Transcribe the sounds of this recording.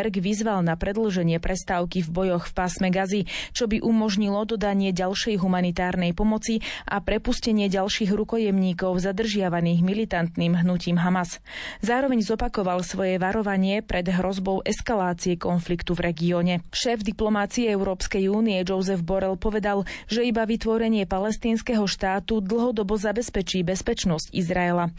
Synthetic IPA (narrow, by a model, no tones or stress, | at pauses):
ɾɡʋizʋalnapɾɛd̪l̩ʒɛɲɪɛpɾʔɛst̪aːʊkivbɔjɔxfpaːsmɛɡazit͡ʃɔbiʔumɔʒɲilɔd̪ɔd̪aɲɪɛɟalʃɛjɦumanit̪aːɾnɛjpɔmɔt͡siʔa̰pɾɛpuscɛɲɪɛɟalʃiːɣɾukɔjɛmɲiːkɔʊzad̪r̩ʒɪaʋaniːɣmilit̪ant̪niːmɦnuciːmɦamas | zaːɾɔʋɛɲzɔpakɔʋalsʋɔjɛʋaɾɔʋaɲɪɛpɾɛd̪ɦɾɔzbɔʊʔɛskalaːt͡siɛkɔnflikt̪uvɾɛɡiɔːɲɛʃɛːvd̪iplɔmat͡siɛɛʊɾɔːpskɛjuːniɛd͡ʒɔʊzɛvbɔɾɛlpɔʋɛd̪alʒɛibaʋit̪ʋɔɾɛɲɪɛpalɛst̪iːnskɛɦɔʃt̪aːt̪ud̪l̩ɦɔd̪ɔbɔzabɛspɛt͡ʃiːbɛspɛt͡ʃnɔscḭzɾaɛla